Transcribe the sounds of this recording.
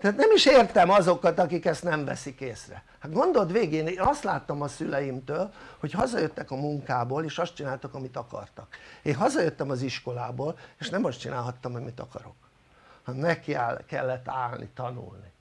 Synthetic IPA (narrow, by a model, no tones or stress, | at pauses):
t̪ɛat̪nɛmiʃeːrt̪ɛmɒzo̞kɒt̪ɒkikɛst̪nɛɱvɛ̰sikeːsrɛ̰ | had̪ɡo̞nd̪o̞d̪ʋeːɡeːneːnɒst̪laːt̪ːɒmɒsylɛjimt̪øːlho̞chɒzɒjøt̪ːɛkɒmuŋkaːboːleːʃɒst̪̚t͡ʃinaːlt̪okɒmit̪ɒkɒ̰rt̪ɒkeːnɦɒzɒjøt̪ːɛmɒziʃko̞laːboːleːʃnɛmɒst͡ʃinaːlɦɒt̪ːɒmhoɟmit̪ɒ̰kɒ̰ɾo̞̰k | hmɛkːialkɛ̰lːɛt̪ːaːlnḭt̪ɒnṵlni